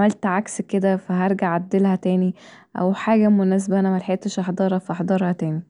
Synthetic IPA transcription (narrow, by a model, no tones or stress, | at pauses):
mælt̪ʕaksked̪æfæɦɑɾˤɡaʕæd̪ːelhæt̪æːni | ʔæ̰wħaːɡæmonæːs̬bæʔænæmælħaeːt̪ːeʃʔɑħd̪ˤɑːɾˤɑfæʔɑħd̪ˤɑɾˤhɑt̪æːni